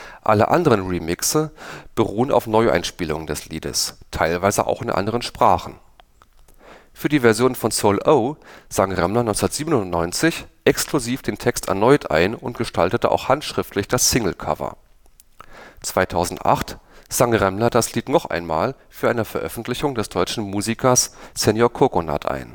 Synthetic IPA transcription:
ʔalə̰ʔa̰ndəʁənʁiːmɪksəb̥əʁuːəna̰ʊfnɔʏʔa̰ɪnʃpiːlʊŋəndɛslḭːdə̰stʰaɪlvaɪzəʔa̰ʊxɪnʔa̰ndəʁənʃpʁ̥aːχn̩ | fyːɐdiːvɛɐzjoːnfɔnsoʊlʔoʊz̥aŋʁɛmlɐnɔʏnsɐtz̥iːbənʊntnɔʏnt͡sɪçʔɛkskluziːfd̥eːntʰɛkstɛ̰ɐnɔʏtʰʔa̰ɪnʊntɡ̥əʃtʰaltətəʔa̰ʊxhantʃʁ̥ɪftʰlɪçd̥asːɪŋl̩kʰa̰vɐ̰ | t͡sv̥aɪtʰaʊzn̩tʔa̰χtz̥aŋʁɛmlɐdasliːtnɔχʔa̰ɪnma̰ːlfyːɐʔaɪnəfɛɐʔœfn̩tʰlɪçʊŋdɛsd̥ɔʏt͡ʃn̩muːzikʰɐssɛnjɔɐkʰokona̰tʰʔa̰ɪn

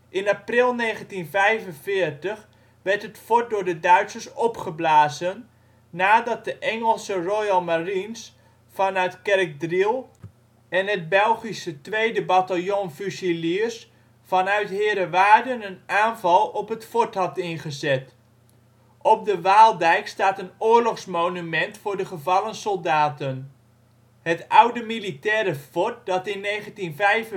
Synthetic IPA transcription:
ʔɪnaprɪlˠneːχəntinvɛjvənfɪːɹtəχ | ʋɛɹtɦətfɔt̚dʊːɹdədœɥtsərsɔpχəblaːzənː | aːdɑt̚dəʔɛŋəlˠsərojɑlˠmarins | fɑnœɥtkɛrk̚drilˠ | ɛnɦət̚bɛlˠχisətʋejdəbatalˠjonfysilis | fɑnœɥtɦɪːɾəʋaːdənənʔaːnvɑlˠɔpɦətfɔtɦɑtɪnχəzɛt | ʔɔp̚dəʋaːlˠdɛjkstaːtənʊːɹlɔχsmownymɛntfʊːɹdəχəvɑlˠənsɔlˠdaːtən | hətʌwdəmilitɛːɾəfɔt̚dɑtɪnːejχəntinvɛjv

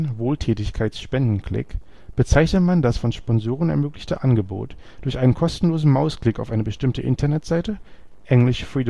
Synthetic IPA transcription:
nvoːltʰɛːtɪçkʰaɪtsʃpɛndn̩kʰl̥ɪ̰k | b̥ət͡saɪçnətmandasfɔnʃpɔnzoːʁ̞ənɛ̰ɐmøːklɪçtəʔanɡəbo̰ːt | d̥ʊɐçʔaɪnənkʰɔstn̩loːzn̩maʊskl̥ɪkaʊfʔaɪnəbəʃtɪmtəʔɪ̰ntɐnɛtz̥aɪtəʔɛŋlɪʃfʁiːd

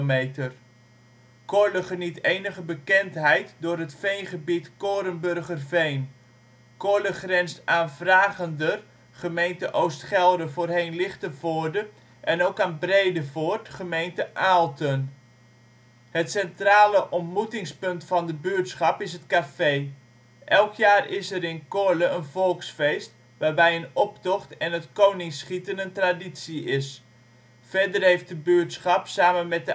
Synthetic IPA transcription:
metər | koɹləχənitejnəχəbəkɛntɦɛjtdʊːrɦətfejnχəbitkoːɾənbørχərvejn | koləχrɛnsaːnvraːɣəndər | χəmejntəʔowstχɛlˠdəvoːrɦejnlɪχtəvoːrdə | ʔɛnowkaːnbrejdəvoːrtχəmejntəʔaːlˠtən | hətsɛntraːləʔɔntmutɪŋspɵntfɑndəbyːtsχɑpɪsɦətkafej | ʔɛlˠkʰjaːrɪsɛɾɪnkʊɹləənvɔlˠksfejst | ʋaːrbɛjənɔptɔχtɛnətkownɪŋsχitənəntraditsiɪs | fɛrdərhejft̚dəbøtsχɑpsaːmənmɛt̚də

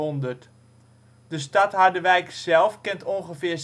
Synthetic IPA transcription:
ɔndərt | d̥əs̬tatɦaɹdəʋɛjksɛlˠfkɪntonχəfɪːɹs

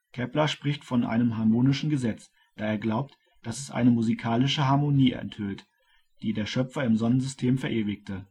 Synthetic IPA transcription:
kʰɛplɐʃpʁ̥ɪçtfɔnʔa̰ɪnəmɦaɐmoːnɪʃn̩ɡəzɛt͡s | d̥aːeːɐɡlaʊp̚t | d̥asɛsʔa̰ɪnəmuzikʰaːlɪʃəɦaɐmoniːʔɛ̰nthʏlt | d̥iːdeːɐʃœpfɐɪmzɔnənzʏstʰeːmfɛɐʔeːvɪk̚tʰə

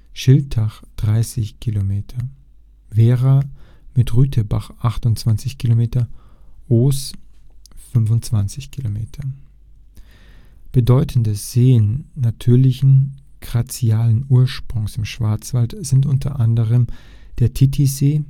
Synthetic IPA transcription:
ʃɪlt̚ʰaχd̥ʁaɪsɪçkʰilomeːtʰɐ | veːʁamɪtʁyːtʰəba̰χʔaχtʊntt͡sv̥ant͡sɪçkʰilomeːtɐʔoːs | fʏnvʊntt͡sv̥ant͡sɪçkʰilomeːtʰɐ | b̥ədɔʏtʰn̩dəz̥eːənːatʰyːɐlɪçn̩ɡ̥ʁat͡siaːlənuːɐʃpʁ̥ʊŋsɪmʃv̥aɐt͡sv̥altz̥ɪntʔʊntʰɐ̰ʔandəʁ̞əm | d̥eːɐtʰitʰizeː

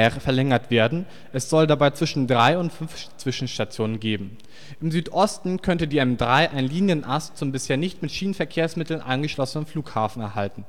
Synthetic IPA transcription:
ʁfɛɐlɛŋɐtv̥eːɐdn̩ | ʔɛsz̥ɔldabaɪt͡sv̥ɪʃn̩dʁaɪʊntfʏnf | t͡sv̥ɪʃn̩ʃtat͡sjoːnənɡeːbm̩ | ʔɪmzyːtʔɔstn̩kʰœntədiːɛmdʁaɪʔaɪnliːnjənʔastt͡sʊmbɪsheːɐnɪçtmɪtʃiːnənfɛɐkʰeːɐsmɪtl̩nʔa̰ɪnɡəʃlɔsənənfluːkhaːfn̩ɛɐɦaltn̩

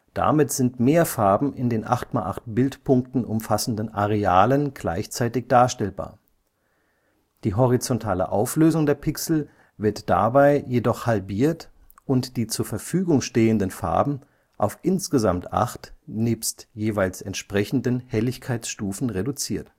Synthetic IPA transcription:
d̥a̰mɪtz̥ɪntmeːɐfaɐbm̩ʔɪndeːnʔa̰χtmalʔa̰χt̚b̥ɪltpʰʊŋk̚tn̩ʔʊmfasn̩dənʔaʁeaːlənɡ̥la̰ɪçt͡saɪtɪçd̥aːɐʃtɛlba̰ːɐ | d̥iːɦɔʁ̞it͡sɔntʰaːlə̰ʔaʊfløːzʊŋdeːɐpʰɪksl̩ | vɪɐtd̥a̰baɪjedɔχhalbiːɐt | ʔʊntd̥iːt͡suːɐfɛɐfyːɡʊŋʃteːəndənfa̰ɐbm̩ | ʔaʊfʔɪnsɡ̥əzamtʔa̰χtniːpstjeːvaɪlsɛntʃpʁ̥ɛçn̩dənhɛlɪçkʰaɪt͡sʃtuːfn̩ʁedut͡siːɐt

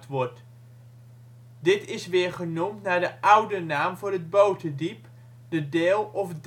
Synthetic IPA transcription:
tʋɔɹt | dɪtɪsʋɪːɹχənumtnaːɹdəʔʌwdənaːmvʊːɹɦəd̚bowtədip | dədɪːlˠɔfd

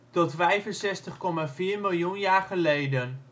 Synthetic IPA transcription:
tɔtfɛjvənsɛstəχkɔmaviːɹmɪlˠjunjaːɹχəlejdən

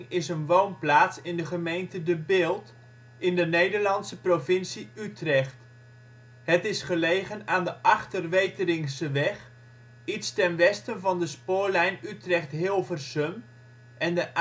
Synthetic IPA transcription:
ŋɪsənʋownplaːtsɪndəχəmejntədəbɪːlˠt | ɪndənejdəɹlɑnsəprovɪnsiytrɛχt | ɦətɪsχəlejχənaːndəʔɑχtərʋejtərɪŋsəʋɛχ | itstɛnʋɛstənvɑndəspʊːɹlɛjnytrɛχtɦɪlˠvərsɵm | ʔɛndəʔ

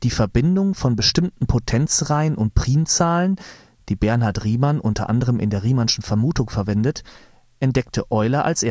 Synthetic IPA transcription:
d̥iːfɛɐbɪndʊŋfɔnbəʃtɪmtn̩pʰotʰɛnt͡sʁaɪənʔʊntpʁ̥iːnt͡saːlən | d̥iːbɛɐnaɐtʁiːmanʔʊntʰɐ̰ʔa̰ndəʁəmʔɪ̰ndeːɐʁiːmanʃn̩fɛɐmuːtʊŋfɛɐvɛndət | ʔɛntd̥ɛk̚tʰəʔɔʏlɐʔa̰lsʔeː

